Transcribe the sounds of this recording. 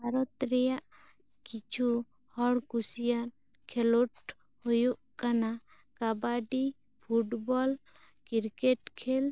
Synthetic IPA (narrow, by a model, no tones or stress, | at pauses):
baɾɔt̪ɾɛjaʔ | kit͡ʃʰu | hɔɽkusijaɾ | kʰɛlɔʈ | hujuʔkana | kabaɖi | pʰuʈbɔl | kiɾkɛʈkʰɛl